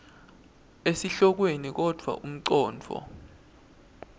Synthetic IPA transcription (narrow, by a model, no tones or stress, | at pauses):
esiɬɔk̬wenik̬ɔd̥ʱwa̰ʔum̩ǀɔːnd͡vʱʰɔ̰